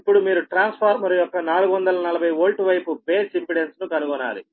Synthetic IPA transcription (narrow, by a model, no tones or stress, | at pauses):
pːuɽumiːɾuʈɾaːnspʰaːɾmɐɾɐjɔkːɐnaːluɡuʋɐnd̪ɐlɐnɐlɐbʱɐjoːlʈuʋɐjpubeːsimpiɽensnukɐluɡɔnːa̰ːɾḭ